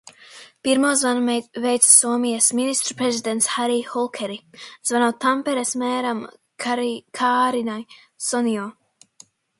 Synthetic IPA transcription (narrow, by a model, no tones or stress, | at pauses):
piɾmoːzvanɛvɛjt̪ssuɔmijasminist̪ɾu̥pɾɛzid̪ent̪shaɾihɔlˠkʰɛɾiz̥vanoːt̪ampɛɾɛsmɛːɾam | kʰaːɾinaj | sɔnijɔː